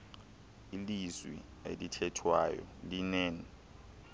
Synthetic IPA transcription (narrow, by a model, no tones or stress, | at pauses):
ilizwḭ | elitʰɛtʰwajɔ̰linɛːnɛ